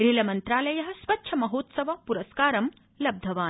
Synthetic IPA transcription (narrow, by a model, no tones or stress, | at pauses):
ɾilɐmɐnt̪ɾaːlɐjɐɦɐ̆sʋɐtːʃʰɐmɐɦoːt̪sɐʋɐpuɾɐskaːɾɐm | lɐb̚d̪ʱɐʋaːn